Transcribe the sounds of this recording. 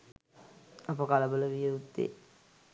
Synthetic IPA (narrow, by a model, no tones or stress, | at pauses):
ɐpəkalɐbələʋijəut̪ːḛː